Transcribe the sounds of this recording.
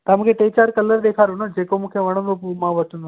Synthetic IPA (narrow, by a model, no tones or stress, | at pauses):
t̪ɐmkʰeʈeːt͡ɕaːɾkɐləɾd̪eːkʰaːɾonõd͡ʒeːkomũːkʰeʋɐɽ̃ə̃nd̪opumãʋɐʈʰə̃nd̪o